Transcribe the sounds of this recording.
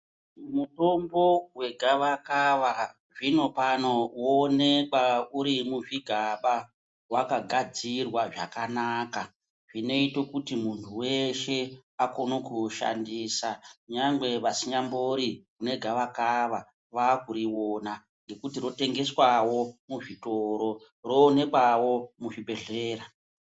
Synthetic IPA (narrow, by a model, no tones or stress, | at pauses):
muto̞mbo̞we̞ɡʱaʋakaʋa | ʐino̞pano̞wonekwauɾimuʐiɡʱaɓa | wakaɡʱad͡zirwaʐa̰kanaːka | ʐino̞ito̞kutimuntʰuwe̞ʃe̞ako̞nokuʃa̰ndiːsakuɲaŋɡwe̞ʋasiɲamboɾikune̞ɡʱaʋakaʋa | ʋakuɾiwoːna | ŋɡe̞kutiɾo̞te̞ŋɡe̞swawo̞muʐitoɾo̞ | ro̞ːne̞kawo̞muʐibʱe̞ɮe̞ːɾa